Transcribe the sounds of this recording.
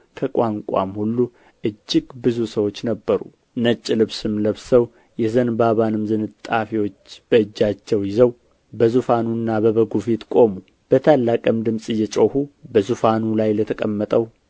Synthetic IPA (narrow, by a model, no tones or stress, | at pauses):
kʰəkʼaŋkʷʼa̰mhulːu | ʔɨd͡ʒːɪɡbɨzusəwo̞t͡ʃːnəbːəɾṵ | nət͡ʃʼːlɨβsɨmləβsəw | jɛzənbaβanɨmzɨnɨt̪ʼːafiwo̞t͡ʃːb̥əɨd͡ʒːat͡ʃːɛwjɪzəw | bəzufanunːabəβəɡufet̪kʼo̞mu | b̥ət̪ʰalːakʼəmd̪ɨmsʼɨjːɛt͡ʃʼohubəzufanulajlət̪ʰəkʼəmːət̪ʼəw